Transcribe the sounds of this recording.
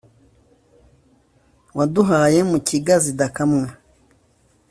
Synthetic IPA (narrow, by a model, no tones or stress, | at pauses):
waduɦaje̞muciɡazidakamŋa